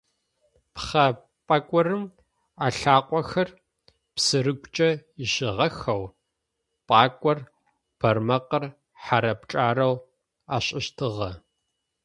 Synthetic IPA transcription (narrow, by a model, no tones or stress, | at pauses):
pχɐ | pʼɐkʷʼɔrɨm | aːɬaːqʷʼɔxɐr | psɨrɨɡʷt͡ʃʼɐɪʃɪʁɐxɐw | pʼaːkʷʼɔr | b̥ɐrmɐqər | ħaɾɐpt͡ʃʼaːɾɐw | aːɕʼɪɕtʰɨʁɐ